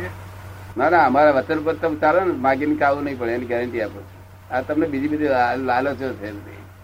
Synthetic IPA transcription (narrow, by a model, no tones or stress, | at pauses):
nanaəmaɾaʋət̪ənup̬əɾt̪əmt͡ʃaɾonemaɡinikaʋũnəɦĩpəɭeeniɡɛɾəɳʈiapot͡ʃʰe̥ | at̪əmnebid͡ʒibəd̪ʱiaalot͡ʃʰot̪ʰed̪ḛ